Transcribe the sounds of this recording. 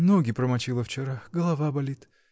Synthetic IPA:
noɡʲɪpɾəmɐt͡ɕilˠəft͡ɕɪɾaɡəlˠɐvabɐlʲit̪

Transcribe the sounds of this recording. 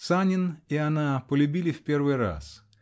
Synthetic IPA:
sanʲɪnianapəlʲʉbʲilʲɪfʲpʲervɨjra̰s

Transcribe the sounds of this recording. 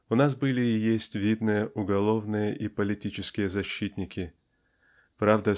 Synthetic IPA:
ʊnas̬bɨlʲɪɪjesʲtʲvʲid̪nɨjəʔʊɡɐlˠo̞vnɨjəʔipəlʲɪtʲit͡ɕɪskʲɪjəzɐɕːit̪ʲnʲɪkʲɪ | pɾavd̪ə

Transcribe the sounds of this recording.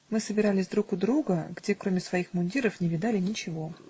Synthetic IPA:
mɨsəbʲɪɾalʲɪsʲd̪ɾukʊd̪ɾuɡəɡdʲe̞kɾo̞mʲɪsvɐixmʊnʲdʲiɾəfnʲɪvʲɪd̪alʲɪnʲɪt͡ɕɪvo̞

